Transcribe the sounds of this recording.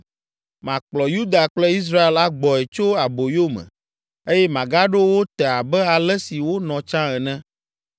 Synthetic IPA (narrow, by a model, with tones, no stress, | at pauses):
mã˨k͡plɔ˨ju˦d̪a˨k͡plɛ˦i˦s̬ɾa˦e˨la˦ɡ͡bɔ˨ɛ˨t͡ʃo˦a˨bo˨jo˦mɛ̰̃˨ | e˦jɛ˦mã˨ɡa˦ɖo˦wo˦t̪ɛ˨a˨bɛ˦a˨lɛ˦si˨wo˦nɔ̃˨t͡ʃã˦ɛ˨nɛ̃˦